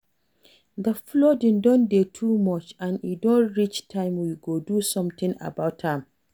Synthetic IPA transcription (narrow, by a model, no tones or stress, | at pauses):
dəflɔdɪ̃ndɔ̃ndetʰumɔt͡ʃãnidɔ̃nɹit͡ʃtʰãɪmwiɡodusɔ̃mt̪ɪ̃ŋʔa̰bawthãm